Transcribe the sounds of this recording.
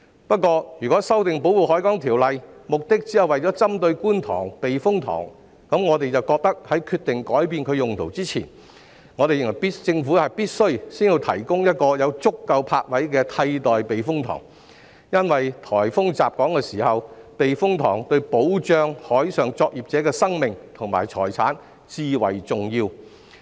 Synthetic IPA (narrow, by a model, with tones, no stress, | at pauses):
pɐ˥t̚kɔː˧jyː˨kɔː˨˥sɐ˥wt̪ɪ˨ŋpo˨˥wuː˨˩ɦɔː˨˥jkɔː˨˥ŋt̪ʰiː˨˩wlɐ˨jmʊ˨k̚t̪ɪ˥k̚t͡siː˥hɐ˨wɐ˨jt͡sɔː˨˥t͡sɐ˥mt̪ɵ˧ɥkuː˥nt̪ʰɔ̰ː˨˩ŋpe˨jfʊ˥ŋt̪ʰɔ̰ː˨˩ŋ | kɐ˨˥mŋɔː˨˧t̪e˨jt͡sɐ˨wkɔː˧k̚t̪ɐ˥k̚hɐ˨˥jkʰyː˧t̪ɪ˨ŋkɔː˨˥jpiː˧nkʰɵ˨˧ɥjʊ˨˩ŋt̪ʰo̰˨˩wt͡siː˥t͡sʰḭː˨˩n | ŋɔː˨˧ɾe˨jɪ˨ŋwɐ˨˩jpiː˥tt͡sɪ˧ŋfuː˨˥hɐ˨˩jpiː˥t̚sɵ˥ɥsiː˥ni˧t̪ʰɐ̰˨˩jkʊ˥ŋjɐ˥t̚kɔː˧jɐ˨˧wt͡sʊ˥kːɐ˧wpʰaː˧k̚wɐ˨˥jkɛː˧t̪ʰɐ˧jt̪ɔː˨jpe˨jfʊ˥ŋt̪ʰɔ̰ː˨˩ŋ | jɐ˥nwɐ˨jt̪ʰɔː˨˩jfʊ˥ŋt͡saː˨p̚kɔː˨˥ŋkɛː˧siː˨˩hɐ˨wpe˨jfʊ˥ŋt̪ʰɔ̰ː˨˩ŋt̪ɵ˧ɥpo˨˥wt͡ʃœː˧ŋhɔː˨˥jsœː˨˩ŋt͡sɔː˧k̚jiː˨p̚t͡sɛː˨˥kɛː˧sɐ˥ŋmɪ˨ŋt̪ʰʊ˨˩ŋma̰ː˨˩jt͡ʃʰɔ̰ː˨˩jt͡sʰa̰ː˨˥n | t͡siː˨˧wɐ̰˨˩jt͡sʊ˨ŋjiː˧w